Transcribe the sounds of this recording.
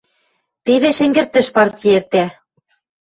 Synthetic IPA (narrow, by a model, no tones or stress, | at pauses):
t̪eβĕʃɘ̆ŋɡɘ̆rt̪ɘ̆ʃpɑrtʲiert̪æ